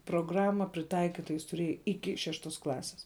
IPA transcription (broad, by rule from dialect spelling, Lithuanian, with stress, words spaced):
proːɡˈrɑːmɐ pʲrʲɪˈtɐɪkʲɪtɐ jɪs tʊˈrʲeːjɛ ˈɪkʲɪ ˈʃʲæːʃtoːs ˈklˠɑːsʲɪs